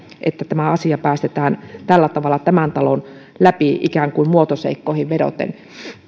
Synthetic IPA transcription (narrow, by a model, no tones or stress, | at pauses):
ʔḛt̪ːæt̪æmæɑsiɑpæːst̪et̪æːnt̪ælːæt̪ɑʋɑlːˑɑt̪æmænt̪ɑlon | læpiʔikæːŋkuimmuot̪osḛikːoˑĭhiʋʋedo̰t̪ḛn